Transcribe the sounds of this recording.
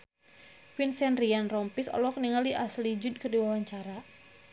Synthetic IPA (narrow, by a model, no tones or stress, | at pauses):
finsɛnrianrɔmpisɔ̰lɔk̚niŋaldiʔaslid͡ʒud̚kərdiwawaɲt͡ʃaɾa